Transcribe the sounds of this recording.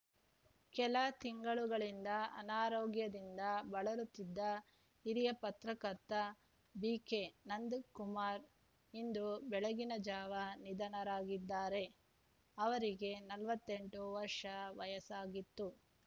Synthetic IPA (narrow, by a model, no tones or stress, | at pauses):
kɛlɐt̪iŋɡɐɭuɡɐɭind̪ɐɐ̰naːɾoːɡjɐd̪ind̪ɐbɐɭɐɾut̪ːid̪ːɐ | iɾijɐpɐt̪ɾɐkɐɾt̪ːɐ | biːke̞nɐnd̪ukumaːɾ | ind̪ubɛɭɐɡinɐd͡ʒaːʋɐnid̪ɐɳɐɾaːɡid̪ːaːɾe̞ | ɐʋɐɾiɡe̞nɐlʋɐt̪ːe̞ɳʈuʋɐɾʂɐʋɐjɐsaːɡit̪ːu